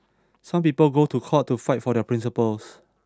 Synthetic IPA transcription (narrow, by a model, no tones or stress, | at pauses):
sãmpiːpəlɡotʰukʰɔtːufaɪt̚fɔdɛəpʰɹĩns̬ipəls